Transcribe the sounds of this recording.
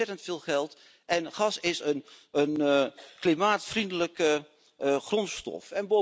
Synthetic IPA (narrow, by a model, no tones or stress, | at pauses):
ɛtəntfɪːlˠχɛlˠt | ʔɛnχɑsɪsənənklimaːtfrindələkə | χrɔnstɔ̰fɛnbo